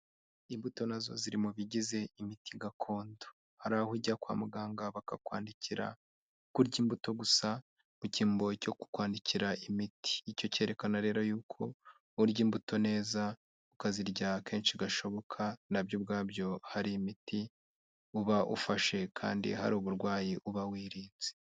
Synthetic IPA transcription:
imbuto̞nazo̞̰ziɾimuβiɟize̞imitʰiɡakʰo̞ːndo | haɾahuɟakwa̰ːmuɡaːŋɡaβakakwa̰ːndicʰiɾa̰ | kuɾɟiːmbuto̞ɡusa | muciːmbo̞co̞ku̥kwaːndiciɾaimiti̥ːco̞ce̞ːɾe̞kanaɾe̞ːɾojuːkʰo̞ | uɾɟiːmbuto̞ne̞ːza | ukaziɾɟake̞ːnʃiɡaʃo̞βo̞kʰanabjub̚ɡaːbjo̞haɾiːmiti | uβaʔṵfaʃe̞kʰa̰ːndḭha̰ɾuːβuɾɡwaːjiʔuβawiːɾiːze̥

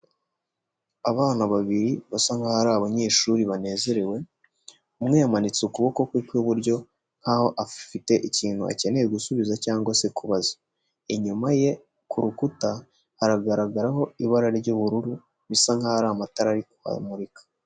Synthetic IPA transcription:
aβaːnaβaβiɾiβasaŋhahaɾaːβaɲe̞ːʃuɾiβane̞ːze̞ɾewe̞ | umŋejamanit͡seukuβo̞ko̞kwiːkoβuɾɟo̞ | ŋ̥haho̞ʔafite̞ʔiciːn̥hua̰ce̞ne̞jeɡusuβizacaːŋɡwase̞kuβaza | eɲumaje̞ | kuɾukuta | haɾaɡaɾaɡaɾaɦo̞iβaɾaɾiɾɟoβuɾuɾu | βisaŋhahaɾaːmataɾaɾikua̰muɾikḁ

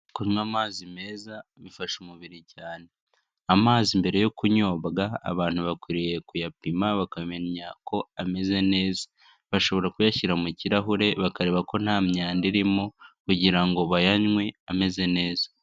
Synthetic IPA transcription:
kuɲwamaːzime̞ːzamifaʃumuβiɾicaːne̞ | amaːzimbe̞ɾe̞jo̞kuɲo̞ːβɡa̰ːβaːn̥huβakwiɾije̞kujapimaβakame̞ɲako̞ame̞ze̞ne̞ːzḁ | βaʃo̞βo̞ɾakujaçiɾamuciɾaɦuɾe̞βakaɾe̞βako̞n̥haːmɲaːndiɾimokuɟiɾaŋɡo̞βajaɲŋwe̞ame̞ze̞ne̞ːzḁ

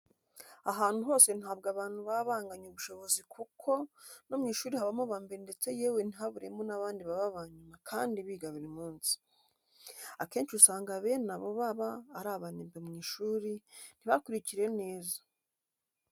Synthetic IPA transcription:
aɦaːn̥huɦoːse̞nhaːb̚ɡaːβaːn̥huβaβaːŋɡaɲuβuʃo̞βo̞zikʰukʰo̞nomŋiːʃuːɾihaβamoβaːmbeɾende̞t͡se̞je̞ːwen̥iɦaβuɾemonaβaːndiβaβaβaɲumakʰaːndiβiːɡaβuɾimuːnzi̥ | ake̞ːnʃiusaːŋɡaβe̞naβoβaβaːɾaːβaneːmbemŋiːʃuːɾin̥iβakuɾiciɾe̞ne̞ːzḁ

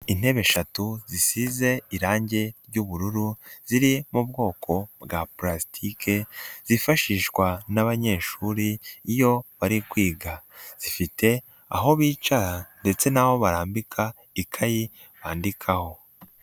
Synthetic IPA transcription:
in̥he̞βe̞ʃatuzisize̞iɾaːɲɟe̞ɾɟuβuɾuɾuz̥iɾimubɡo̞ːkʰo̞bɡaplastʰikʰe̞z̥ifaʃiːʃɡwanaβaɲe̞ːʃuɾiːjo̞βaɾikwiːɡa | z̥ifite̞ | a̰ɦo̞βiːt͡ʃaɾande̞t͡se̞naβo̞βaɾaːmbikʰa | ikʰaji | βaːndikʰaho̞

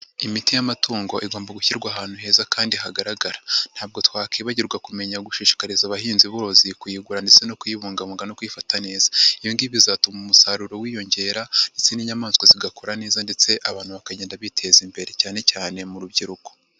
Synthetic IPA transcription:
imitijamatʰuːŋɡo̞ʔiɡo̞ːmbaɡuçiɾɡwaɦaːn̥huɦe̞ːzakaːndiɦaɡaɾaɡaɾan̥haːb̚ɡo̞twaːkiːβaɟiɾɡwakume̞ɲaɡuʃiːʃi̥kaɾizaβaɦiːnziβo̞ːzikujiɡuɾandet͡se̞no̞kujiβuːŋɡaβuːŋɡano̞kuifatane̞ːzḁijiːndiβizatumumusaɾuɾo̞wiːjo̞ɲɟe̞ɾandet͡se̞niɲamaːnskwoziɡakoɾane̞ːzande̞t͡se̞ʔaβaːnhuβakaɟeːndaβitʰe̞zimbe̞ɾe̞caːne̞caːne̞muɾubɟiɾuko

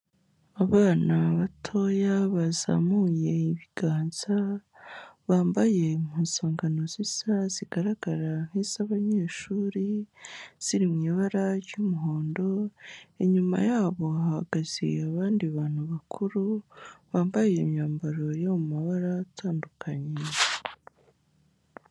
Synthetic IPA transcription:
aβaːnaβatʰo̞jaβaza̰muje̞iβiɡ̥aːnz̥a | βaːmbaje̞muːnsaːŋɡano̞zizaziɡaɾaɡaɾaŋ̥hiz̥aβaɲeːʃuːɾi | z̥iɾimɲiːβaɾaɾjumuɦo̞ːndo̞eɲuma̰jaːβo̞ahaɡaz̥ḭaβaːndiβaːn̥huβakʰuɾuβaːmbaje̞mjaːmbaɾo̞jamumaβaɾatʰaːndukʰaɲe

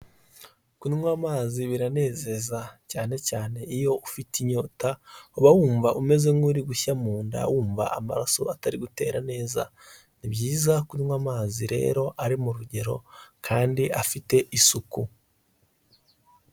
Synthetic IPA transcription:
kuniwamaːziβiɾane̞ːze̞zacaːne̞caːne̞ijo̞ufitiɲo̞ːtauβawuːɱvaʔume̞ze̞ŋɡuɾiɡuçamuːnda̰wuːɱva̰ʔama̰ɾaso̞̰ataɾiɡute̞ːɾane̞ːza̰ | nibjiːzakuniŋwamaːziɾe̞̰ːɾo̞ʔaɾimuɾuɟe̞ɾo̞̰kʰaːndiʔafite̞ʔisuku

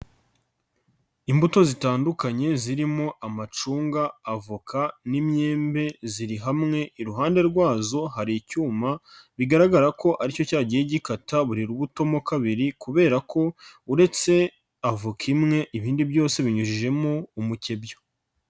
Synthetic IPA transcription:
imbuto̞zitaːndukaɲe̞ziɾimo̞ʔamat͡ʃuːŋɡaːvukʰanimɲe̞ːmbe̞ziɾiɦamŋe̞ʔiɾuɦaːnde̞ɾɡwaːzo̞haɾicuːmaβiɡaɾaɡaɾako̞ʔaɾico̞caːɟijeɟikataβuɾiɾuβuto̞mokaβiɾikuβe̞ːɾako̞uɾe̞t͡se̞ | avukʰimŋe̞ʔiβiːndibjo̞ːse̞βiɲuʒiʒe̞mo̞umuce̞bjo

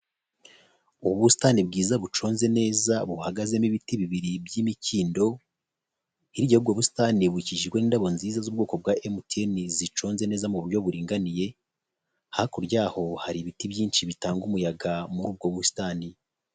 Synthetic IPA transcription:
uβuβusi̥tanibɡiːzaβut͡ʃo̞ːnze̞ne̞ːzaβuhaɡaze̞miβitiβiβiɾibjiːmiciːndo̞ | iɾiɟahubɡoβusi̥taniβuiciʒiɾɡwe̞niːndaβo̞nziːzazuːb̚ɡoːko̞b̚waʔemutenizit͡ʃo̞ːnze̞ne̞ːzamuβuɾjo̞βuɾiːŋɡanije̞ | hahakuɾɟaːho̞haɾiβitibjiːnʃiβitaːŋɡumujaɡamuub̚ɡoβusi̥taːni

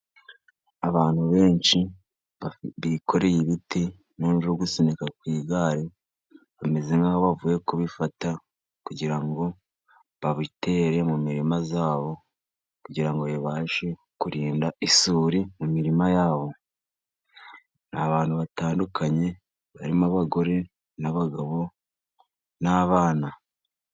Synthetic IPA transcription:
aβaːn̥huβe̞ːɲʃi | βaβiko̞ɾe̞jiβiti | nonɾoɡusenekakwiːɡaːɾe | βame̞zeŋɡaoβavujekuβifata | kuɟiɾaŋɡo̞ | βaβite̞ːɾe̞mumiɾimazaːβo̞ | kuɟiɾaŋɡo̞jeβaːʃe̞ | kuɾiːndaisuːɾimumiɾimajaːβo̞ | naβaːn̥huβataːndukʰaɲe̞ | βaɾimaβaɡo̞ɾe̞ | naβaɡaβo | naβaːna

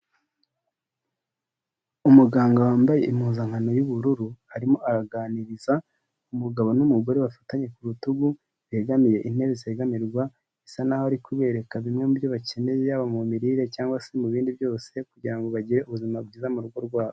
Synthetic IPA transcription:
umuɡaːŋɡawaːmbaje̞ʔimhuːnzaŋhano̞juβuɾuɾuhaɾimo̞ʔaɾaɡaːniɾiza | umuɡaβo̞numuɡo̞ɾeβafḁtaɲe̞kuɾutuɡu | βieɡamiɾe̞ʔin̥e̞βizeɡamiɾɡwa | isanahoaɾikuβe̞ːɾe̞kaβimŋe̞mubjoβace̞ne̞jejaβamumiɾiːɾe̞caːŋɡwasemuβiːndibjo̞ːse̞kuɟiɾaŋɡo̞βaɟiɾe̞ʔuβuzimabɡiːzamuɾuɡo̞ɾɡwaːβo

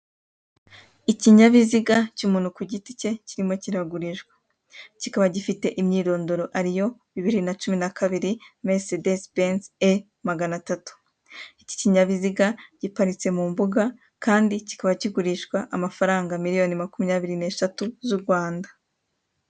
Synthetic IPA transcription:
iciɲaβiziɡacumuːnhukuɟitice̞ciɾimo̞ciɾaɡuɾiʃɡwe | cikaβaɟifite̞ʔimɲiːɾo̞ːndo̞ɾo̞ʔaɾijo̞βiβiɾinat͡ʃuminakaβiɾime̞sedesbense | maɡanatatu̥ | ici̥ciɲaβiziɡaɟ̥ipaɾit͡se̞mumbuɡa | kaːndici̥kaβaciɡuɾiʃɡwaʔamafaɾaːŋɡamiɾijo̞nimakumiɲaβiɾine̞ːʃatuzuɾɡwaːnda

